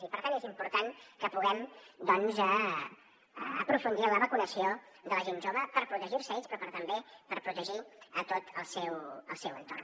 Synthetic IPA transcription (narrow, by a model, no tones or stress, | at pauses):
ipəɾt̪anezimpuɾt̪aŋkəpuɣɛmd̪ɔnzə | pɾufund̪iələβəkunəsio | ðələʒenʒoβəpəɾpɾut̪əʒiɾsəespɾɔpəɾt̪əmbepəɾpɾut̪əʒiət̪ot̪əlˠsɛwə̰lˠsɛwənt̪o̰r